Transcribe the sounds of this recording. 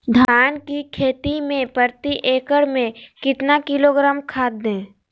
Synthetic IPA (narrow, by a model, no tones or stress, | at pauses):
d̪ʱaːnkikʰeːt̪imẽpəɾt̪iʔeːkəɽmẽkɪt̪nakɪloːɡɾaːmkʰaːd̪ːẽː